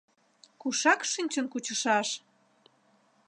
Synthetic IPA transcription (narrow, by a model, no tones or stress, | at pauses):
kuʃɑkʃynʲt͡ɕənkut͡ɕəʃɑʃ